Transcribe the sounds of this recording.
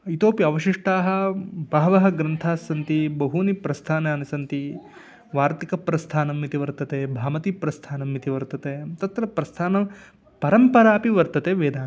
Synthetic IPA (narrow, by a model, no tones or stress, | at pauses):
it̪oːpiɐʋɐʃiʂʈaːɦɐ̆bʱaːʋɐɦɐɡɾɐnt̪ʰaːsːɐnt̪ibɐɦunipɾɐst̪ʰaːnaːnɐsɐnt̪i | ʋaːɾt̪ikɐpɾɐst̪ʰaːnɐmːit̪iʋɐɾt̪ɐt̪eːbʱaːmɐt̪ipɾɐst̪ʰaːnɐmːit̪iʋɐɾt̪ɐt̪eːt̪ɐt̪ɾɐpɾɐst̪ʰaːnɐ | pɐɾɐmpɐɾaːpiʋɐɾt̪ɐt̪eːʋeːd̪aːn